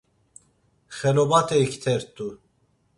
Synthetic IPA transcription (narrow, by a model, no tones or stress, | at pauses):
xɛlɔbat̪ʰʼɛikʰt̪ʰɛɾt̪ʼu